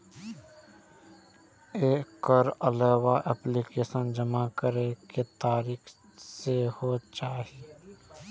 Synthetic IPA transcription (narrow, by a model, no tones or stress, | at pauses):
eːkːɔɾəlɛːwaʔɛplikeːsənd͡ʒəmakəɾeket̪aːɾiːk | sehot͡ʃaːɦi